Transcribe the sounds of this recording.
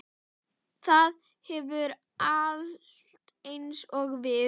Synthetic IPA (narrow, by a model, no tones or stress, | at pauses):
θað | hɛvʏɾ | a | t̪ejnsɔɣvɪ